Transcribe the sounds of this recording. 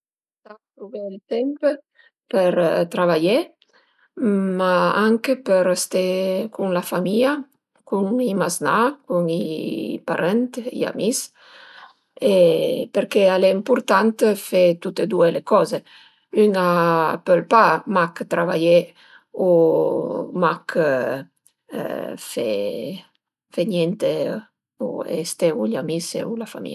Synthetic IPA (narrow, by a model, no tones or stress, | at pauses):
t̪at̪ɾuvelt̪ɛmpə | pəɾt̪ɾaβaje | maaŋkepəɾst̪ekuŋlafamia | kuŋimaznakuŋipa̰ɾɛnt̪ḭa̰mis | epeɾkealeimpuɾt̪ant̪fet̪ut̪ed̪uelekɔze | ynapølpamakt̪ɾavaje | u | makʰ | fḛ | feɲjɛnt̪e | ṵḛst̪euʎamisḛulafa̰mḭa